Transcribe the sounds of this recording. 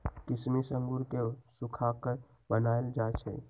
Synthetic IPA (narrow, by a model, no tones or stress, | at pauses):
kɪsmisəŋɡuɾkesukʰakəɾ | bənaeld͡ʒat͡ʃʰɛ̰